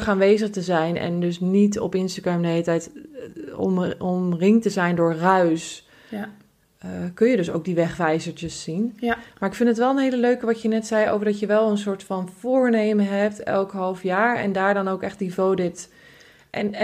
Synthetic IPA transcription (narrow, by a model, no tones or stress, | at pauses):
χaːnʋejzəχtəzɛjnɛ̰ndɵsnitɔ̰pɪnstaɡɹɛmdəɦelətɛjt | ɔ̰mɔmrɪŋtəzɛjndʊːɹrœɥs | kɵnjədɵso̰wk̚diʋɛχʋɛjzəɹt͡ʃəsːinmaːɹɪkfɪntətʋɛlˠənɦejləløɥkəʋɑtjənɛtsɛjʔo̰wvəɹdɑtjəʋɛlˠəns̬ʊːɹtfɑnv̥ʊːɹnejməɦɛp̚tɛlˠkɦɑlˠfjaːɹɛ̰ndaːɹdɑnowkɛχt̚divoːdɪt | ʔɛn